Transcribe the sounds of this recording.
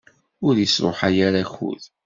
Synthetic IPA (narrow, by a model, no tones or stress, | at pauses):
ʊɾjəsɾˤo̰ħajaɾaçṵð